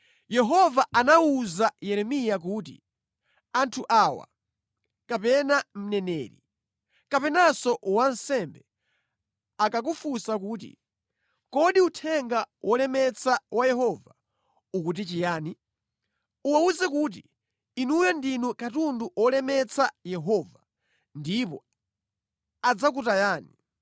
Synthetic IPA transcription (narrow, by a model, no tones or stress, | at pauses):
jɛɦɔvaʔanauzajɛɾɛmijak̬uːtḭ | antʰuʔaːwa̰ | kapɛnam̩nɛnɛːɾḭ | kapɛnasɔwan̩sɛmbɛ | akak̬ufusakuːt̬ḭ | kɔɗiutʰɛŋɡawʔɔlɛmɛt͡sʰawʔajɛɦɔva | ukut̬it͡ʃijaːni | uwauzɛk̬ut̬ḭ | inujandinukatunduʔɔlɛmɛt͡sʰajɛɦɔva | ndipɔ | ad͡zak̬utajaːni